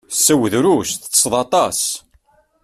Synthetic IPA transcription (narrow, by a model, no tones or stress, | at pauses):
sːæwðɾusθθə̥sˤðˤɑt̪ˤɑs